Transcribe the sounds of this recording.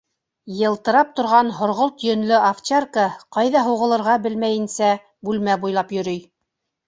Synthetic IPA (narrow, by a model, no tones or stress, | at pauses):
jɤ̆lˠt̪ɤ̆ɾɑp̚t̪ŏɾʁɑnɦŏɾʁolˠt̪jɵ̆nlɵʔaft͡ɕerkəqɑjðɑɦuʁɤ̆lˠɤ̆ɾʁɑbɘlmæjɘ̆nsæ | bʉlmæbujlˠɑpjɵ̆ɾɵj